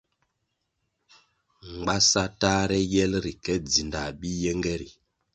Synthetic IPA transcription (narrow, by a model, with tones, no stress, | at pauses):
ŋ̩˨ɡ͡ba˦sa˦taː˦ɾɛ˦jɛ˦lɾi˨kɛ˦d͡zi˨nda˨ɓi˦jɛ˦ŋɡɛ˦ɾi˨